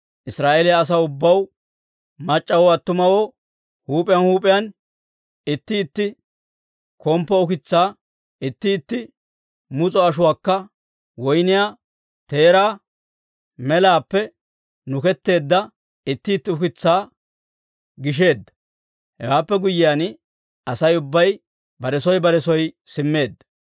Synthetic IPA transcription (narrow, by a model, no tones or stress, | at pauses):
ʔɪsɾaːʔeːlɪjaːs̬ɐʊbːɐw | mɐt͡ʃʼːɐwɔɐt̪ːʊmɐwoː | huːpʼɪjɐnhuːpʼɪjɐn | ɪt̪ːɪːt̪ːɪ | kʰɔmpːɔʊkɪt͡sːaː | ɪt̪ːɪːt̪ːɪ | mʊt͡sʼɔɐʃʊwaːkːɐ | wɔjnɪjaː | t̪e̞ːɾaː | mɛlaːpːɛ | nʊkɛt̪ːe̞ːd̪ːɐ | ɪt̪ːɪːt̪ːɪʊkɪt͡sːaː | ɡɪʃ̬e̞ːd̪ːɐ̥ | hɛ̰waːpːɛɡʊjːɪjan | ɐsɐjʊbːɐj | bɐɾɛsɔjbɐɾɛsɔjsɪmːe̞ːd̪ːɐ